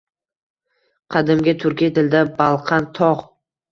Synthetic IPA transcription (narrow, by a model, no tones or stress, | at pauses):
qʰɑd̪ɪmɡʲat̪ʰʊɾkʲijt̪ʰɪld̪abɑlˠqʰɑnt̪ʰɒʁ